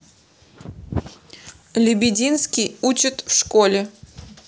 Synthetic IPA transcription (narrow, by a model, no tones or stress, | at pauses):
lʲɪbʲɪdʲinskʲɪjut͡ɕɪt̪fʂkolʲɪ